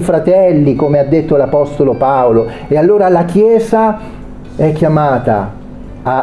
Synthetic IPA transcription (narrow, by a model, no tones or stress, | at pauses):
fɾat̪ɛlːikomead̪ːet̪ːolapɔst̪olopaolo | ealːoːɾalakjɛːza | ɛkːjamaːt̪a̰ | a